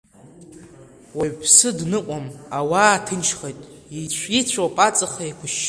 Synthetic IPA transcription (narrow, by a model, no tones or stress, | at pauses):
waɥpʰsɨdnɨqʷʼamawaːtʰɨnʃʰχejtʼ | it͡ɕʷʰit͡ɕʷʰapʼat͡sʼɨχaikʷʰʊʃ